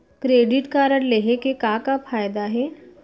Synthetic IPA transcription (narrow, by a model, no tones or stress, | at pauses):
kɾeːɖɪʈkaːɾəɽleːɦekekaːkafʰaːjd̪aɦɛː